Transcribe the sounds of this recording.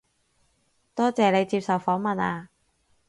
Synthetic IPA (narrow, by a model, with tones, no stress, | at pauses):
t̪ɔː˥t͡sɛː˨le˨˧jt͡siː˧p̚sɐ˨˩wfɔː˨˥ŋmɐ˨˩naː˧